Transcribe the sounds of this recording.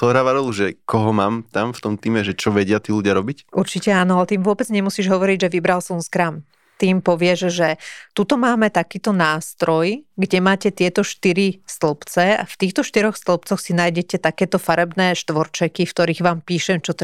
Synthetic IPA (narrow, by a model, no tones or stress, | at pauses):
ɔɾaʋaɾɔlˠuʒɛkɔɦɔmaːmt̪amft̪ɔmt̪iːmɛʒɛt͡ʃɔʋɛɟɪat̪iːluɟɪaɾɔbicuɾt͡ʃicɛaːnɔalɛt̪iːmʋʊɔbɛd͡zɲɛmusiːʒɦɔʋɔɾiɟʒɛʋibɾalsɔmskɾaːm | t̪iːmpɔʋɪɛʒʒɛt̪ut̪ɔmaːmɛt̪akiːt̪ɔnaːst̪ɾɔjɡɟɛmaːcɛt̪ɪɛt̪ɔʃt̪iɾist̪lɔpt͡sɛa̰ft̪iːxt̪ɔʃt̪iɾɔxst̪lɔp̚t͡sɔxsinaːjɟɛcɛt̪akɛːt̪ɔfaɾɛbnɛːʃt̪ʋɔɾt͡ʃɛkifkt̪ɔɾiːɣʋaːmpiːʃɛmt͡ʃɔt̪